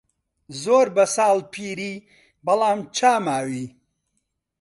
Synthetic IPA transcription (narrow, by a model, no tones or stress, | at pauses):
zoːɾbɐsaːlpʰiːɾiː | bɐlaːmt͡ʃʰaːmaːwiː